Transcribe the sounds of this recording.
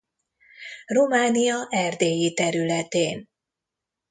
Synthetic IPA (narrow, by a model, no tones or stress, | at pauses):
romaːnijɒʔɛrd̪eːjit̪ɛɾylɛt̪eːn